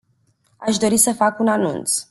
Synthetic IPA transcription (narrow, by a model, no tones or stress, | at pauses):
aʃd̪o̞ɾisəfakunanṵnt̪s